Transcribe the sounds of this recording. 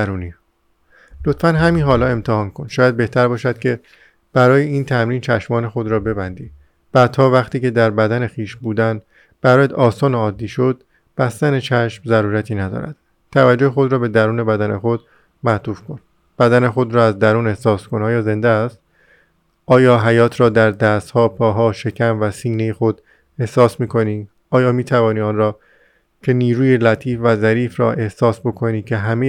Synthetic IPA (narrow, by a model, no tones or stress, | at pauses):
ɾuːniː | lot̪fænɦæminɦɒːlɒːe̞mt̪ʰehɒːnkʰo̞nʃɒːjæd̪̚be̞ht̪ʰæɾbɒːʃæd̪̥cʰe̞ | b̥æɾɒːjeiːnt̪ʰæmɾiːnt͡ʃʰæʃmɒːne̞xo̞d̪ɾɒːbe̞bænd̪iː | b̥æːdt̪ːʰɒːvæχt̪iːce̞d̪æɾbæd̪æne̞xiːʃbuːd̪æn | b̥æɾɒːjæd̪ɒːsɒːneɒːd̪ːiːʃod̪ | b̥æst̪ænet͡ʃʰæʃmzæɾuːɾæt̪ʰiːnæd̪ɒ̰ːɾæ̰d̪̥ | t̪ʰævæd͡ʒːohexo̞d̪ɾɒːbe̞d̪æɾuːne̞bæd̪æne̞xo̞d̪̥ | mæt̪ʰuːfkʰo̞n | b̥æd̪æne̞xo̞d̪ɾɒːæzd̪æɾuːne̞hsɒːskonɒːjɒːze̞nd̪est̪ | ʔɒːjɒːɦæjɒːt̪ʰɾɒːd̪æɾd̪æːst̪hɒːpʰɒːɦɒːʃe̞cʰæmvæsiːne̞jexo̞d̪̥ | e̞hsɒːsmiːkʰo̞niː | ɒːjɒːmiːt̪ʰævɒːniːɒːnɾɒː | cʰe̞niːɾuːjelæt̪ʰiːfvæzæɾiːfɾɒ̰ːʔe̞hsɒːsbo̞kʰo̞niːcʰe̞ɦæme